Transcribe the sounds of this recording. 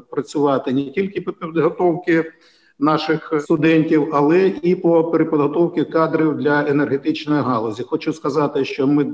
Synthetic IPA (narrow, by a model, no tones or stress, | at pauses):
pɾɐt͡sʲʊʋɑt̪ɪnʲɛtʲilʲkɪpɔpʲid̪ɦɔt̪ɔwkɪ | nɑʃɪxst̪ʊd̪ɛnʲtʲiwɐlˠɛʔipɔpeɾʲɪpɔd̪ɦɔt̪ɔwkɪkɑd̪ɾiwd̪lʲɐenerɦet̪ɪt͡ʃnɔjiɦɑlˠɔzʲixɔt͡ʃuskɐzɑt̪ɪʃt͡ʃɔmɪ